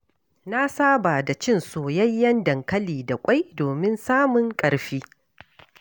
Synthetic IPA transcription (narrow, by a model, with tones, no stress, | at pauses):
na˦saː˦ba˨da˨t͡ʃɪ˦˨nsoː˨jɐ˦jːɐ˦ndɐ˨ŋkɐ˦liː˨da˨kʷʼa˦jdoː˨mɪ˦nsaː˦mʊ˨ŋkʼɐ˨ɽɸiː˦